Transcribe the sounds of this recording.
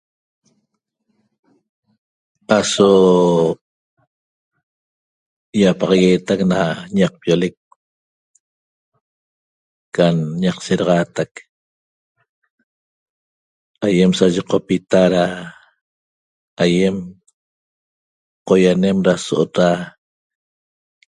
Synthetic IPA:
aso | japɑʁɑɣeːt̪aknaɲɑq̚pjolek̚ | anɲɑqseɾɑʁɑːt̪ak | ajemsaʒeqopit̪aɾa | aje̞m | qojane̞mɾasoʔot̪ɾa

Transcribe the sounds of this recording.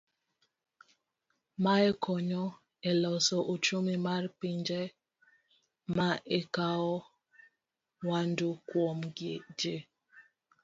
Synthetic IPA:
maɛkʰɔɲɔ | ɛlɔsɔʔot͡ʃomimarpiɲd͡ʒe | maʔɛkaɔ | wandukwomɡed͡ʒe

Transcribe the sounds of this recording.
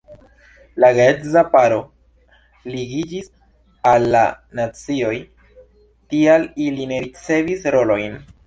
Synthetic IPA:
laɡetzapaɾo̞ | liɡid͡ʒis | alːanat͡sio̞j | tialiline̞ɾit͡se̞visɾo̞lo̞jn

